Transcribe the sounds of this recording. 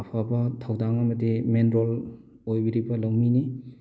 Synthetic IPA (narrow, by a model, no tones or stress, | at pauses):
ɐpʰabɐtʰawdaŋɐmɐdimenɾol | ojbiɾibɐlawmini